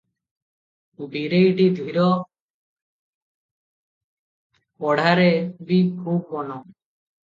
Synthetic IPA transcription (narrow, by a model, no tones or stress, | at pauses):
biɾejɖid̪ʱwiɾɔ | pɔɽʱaɾebib̚kʰub̚ːɔnɔ